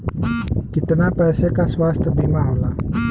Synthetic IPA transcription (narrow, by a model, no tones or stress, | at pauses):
kit̪ənapɛsekaswast̪əbimaola